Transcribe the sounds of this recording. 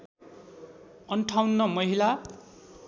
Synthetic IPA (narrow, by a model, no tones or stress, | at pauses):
ʌnʈʰawnːʌmʌɦila